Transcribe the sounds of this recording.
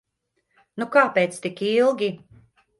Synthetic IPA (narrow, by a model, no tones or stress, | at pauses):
nukaːpeːt̪st̪ikilˠɡʲi